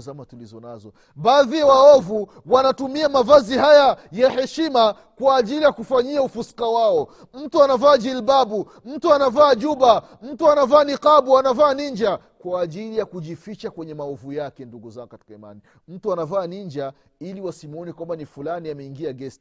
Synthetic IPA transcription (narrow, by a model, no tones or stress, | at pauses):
zamatulizɔnazɔ | ɓaːðijawaɔvu | wanatumiamavaziɦajajahɛʃima | kwaːʄilijakufaɲiaufuskawaɔ | m̩tuanavaːd͡ʒilbabu | m̩tuanavaːʄuba | m̩tuanavaːniqaɓuanavaːniɲd͡ʒa | kwaːʄilijakuʄifit͡ʃakwɛɲɛmaɔvujakɛnduɡuzaɡɔkati̥kaima̰ni | m̩tuanavaːniɲd͡ʒa | iliwasimɔnɛkwambanifulaniamɛiŋɡiaɡɛsi̥